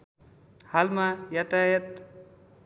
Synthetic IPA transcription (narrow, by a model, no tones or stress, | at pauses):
halmajat̪ajʌt̪